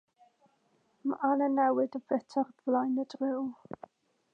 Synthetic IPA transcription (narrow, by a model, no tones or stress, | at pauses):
ma̰ʔanənɛwɪdəvɛtʰarvlajnədrɪw